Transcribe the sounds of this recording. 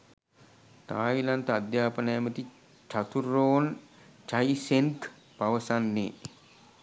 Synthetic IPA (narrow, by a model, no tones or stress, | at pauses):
t̪aːilant̪əad̪jaːpənəjəmət̪i | t͡ʃat̪uɾːoːn | t͡ʃajsenk | paʋəsanːḛː